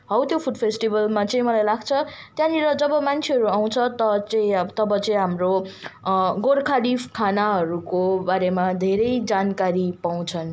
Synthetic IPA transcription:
ɦʌwt̪jopʰuɖpʰesʈibʌlmat͡sʌĩmʌlajlaɡt͡sʰʌ | t̪jãniɾʌd͡zʌbʌmant͡sʰeɦʌɾuaw̃t͡sʰʌt̪ʌt͡sʌĩʌt̪ʌbʌt͡sʌĩɦamro | ɡorkʰaɽipʰkʰanaɦʌɾukobaɾemad̪ʱeɾʌjd͡zankaɾipaw̃t͡sʰʌn

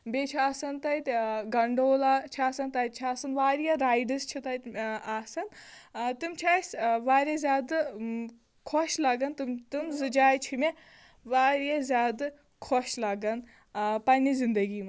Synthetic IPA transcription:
beːt͡ʃʰiaːsɐnt̪ɐit̪ʲɡɐɳɖoːlaːt͡ʃʰiaːsɐnt̪ɐjt̪̚t͡ʃʰiaːsɐnʋaːɾjaɾaːjɖɐst͡ʃʰit̪ɐj̪aːsɐnt̪ɨmt͡ʃʰaːjsʲʋaːɾʲjɐzʲaːd̪ɨ | kʰoʃlaɡɐnt̪t̪ɨmzɨd͡ʒaːjt͡ʃʰime | ʋaːɾijazʲjaːd̪ | kʰoʃlaːɡɐn | pɐnʲizind̪ɐɡiːmɐ

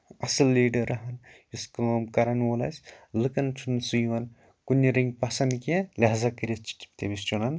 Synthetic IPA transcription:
ɐsɨlːiːɖɐɾɐɦɐnjuskɨmɐmkɐɾɐnoːlɐ̰sʲlɨkɐnt͡ʃʰunsujʋɐn | kunʲːiɾiŋɡpɐsɐnkʲelʲɐɦzɐkɨɾʲet͡ʃt̪ebist͡ʃunɐn

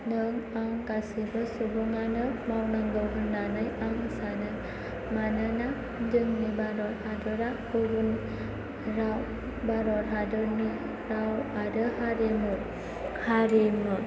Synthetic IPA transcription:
nəŋaŋkasibəsubuŋanəmawnaŋɡəɡunːanɯjaŋsanɯ | manəna | dɯŋnibaɾɔɾhadɔɾakuɡun | ɾaw | baɾɔɾɦadɔni | ɾawadəhaɾemuɾ | haɾimu

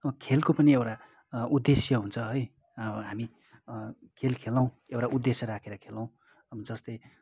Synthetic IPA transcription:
ʌbʌkʰelkopʌniewʈa | ʔud̪esjʌɦunt͡sʰʌɦʌj | ɦami | kʰelkʰelaw̃ | ewʈaʔud̪ːesjʌɾakʰeɾʌkʰelãw̃ | ʌbʌd͡zʌst̪ʌj

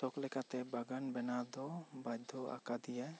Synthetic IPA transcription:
sɔklɛkat̪ɛbaɡanbɛnad̪ɔbajd̪ʱːɔa̰kad̪ija

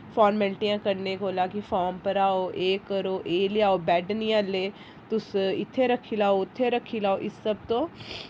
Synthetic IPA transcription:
fʰɔːɾmmɛlʈijãːkəɾneːkoːlaːkɪfʰɔːɾmpəɾaːoːʔeːkəɾoːʔeːlɪaːoːbɛːɖnijãːleː | t̪ʊsɪt̪ʰːeːɾəkʰːiːlaːoːʊt̪ʰːeːɾəkʰːiːlaːoːʔɪsːəbt̪õː

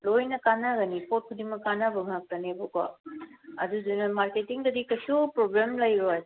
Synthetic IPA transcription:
lojnɐkanaɡɐnipʰot̚kʰudimɐkːanabɐŋak̚tɐnebɐka̰ | ɐ̰dudunɐmaɾketiŋdɐdikɐsupɾoblemlɐjɾoj

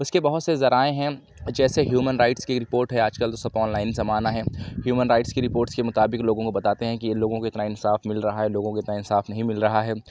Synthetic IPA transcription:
ʊskebɐɦʊt̪sezɐɾaːẽɦɛ̃ | d͡ʒɛːseɦjuːmənɾaɪʈskeeːkɾɪpoːɾʈɦɛaːd͡ʒkəld̪oːsɐpɔːnlaːɪnzɐmaːnaɦɛːɦjuːmənɾaɪʈskiɾɪpoːɾʈskemʊt̪aːbɪkloːɡõkobɐt̪aːt̪eɦɛ̃kiloːɡõkoɪt̪naɪnsaːfmɪlɾɐɦaɦɛloːɡõkoɪt̪naɪnsaːfnɐɦĩmɪlɾɐɦaɦɛː

